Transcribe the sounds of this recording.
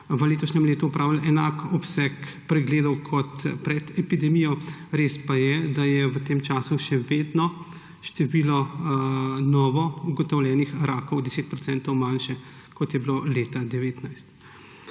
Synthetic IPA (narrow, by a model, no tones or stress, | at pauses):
ʋəleːt̪ɔʃnɛmleːt̪uɔpɾʔaːʋilɛnaːkɔpsɛk | pɾɛɡleːd̪ɔwkʰɔt̪pɾɛd̪ɛpid̪ɛmijɔɾeːspajɛd̪ajɛʋət̪eːmt͡ʃaːsuʃɛʋeːd̪nɔ | ʃt̪ɛʋiːlɔ | nɔːʋɔuɡɔt̪ɔwljɛːnixɾaːkɔwd̪ɛseːt̪̚pɾɔt͡s̪ɛnt̪ɔwmanʃɛ | kɔt̪jɛbiloleːt̪ad̪ɛʋeːt̪najst̪